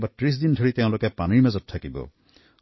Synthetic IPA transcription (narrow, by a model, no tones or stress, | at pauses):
batɹis̬dindʱoɹit̪eʊ̃lokɛpaniɹmazɔt̚ʰtʰːakibɔ̰